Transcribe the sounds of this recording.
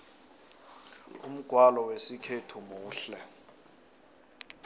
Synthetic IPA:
um̩ɡ̥ʱwalɔwesikʰetʰumuːɬɛ

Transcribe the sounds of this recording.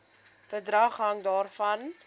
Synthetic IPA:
fədrɐχɦɐŋdɑːrfɐn

